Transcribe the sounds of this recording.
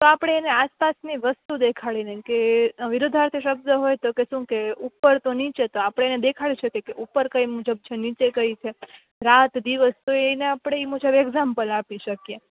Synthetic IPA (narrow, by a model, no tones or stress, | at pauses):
t̪oapɽ̃eːneaspasniʋəst̪ud̪ekʰaɭinekeʋɪɾod̪ʱaɾt̪ʰiʃəb̚d̪əɦojt̪okeʃũkeupːəɾt̪onit͡ʃet̪oapəɽ̃eened̪ekʰaɭiʃəkjekeʔupːəɾkəimud͡ʒəb̚t͡ʃʰenit͡ʃekəit͡ʃʰe | ɾat̪d̪iʋəst̪oeneapɽ̃eimud͡ʒəbɛɡzampəlapiʃəkje